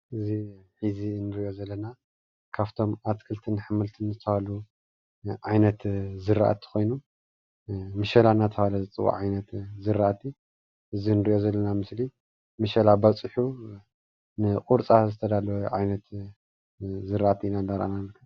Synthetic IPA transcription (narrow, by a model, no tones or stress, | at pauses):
ʔɨziħizinɨɾiʔo̞zɐlːɐna | kʰaβt̪ʰo̞mʔat̪kʰɨlt̪ʰɨnħɨmɨlt̪ʰɨnzɨt̪ʰɐβalu | ʕajnɐt̪zɨɾːa̰ʔa̰t̪ʰi̥xo̞jnu | mɨʃɐlanat̪ʰɐβalɐzɨt͡sʼɨwa̰ʕajnɐt̪zɨɾːaʔat̪ʰi | ʔɨzinɨɾiʔo̞zɐlːɐnamɨsli | mɨʃɐlabɐt͡sʼɨħu | nɨqʼuɾt͡sʼazɨt̪ʰɐd̪alɐwʕajnɐt̪ | zɨɾaʔat̪ʰinandaɾʔa̰nankʰːɐ